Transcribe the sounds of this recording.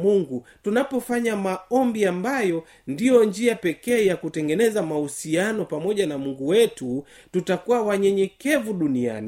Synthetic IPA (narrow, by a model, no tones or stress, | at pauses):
muŋɡu | tunapɔfaɲamaɔmbiambajɔ | ndijɔnd͡ʒiapɛkɛːjakutɛŋɡɛnɛzamahusianɔpamɔʄanamuŋɡuwɛtu | tutakuwawaɲɛɲɛkɛvuɗunia̰ni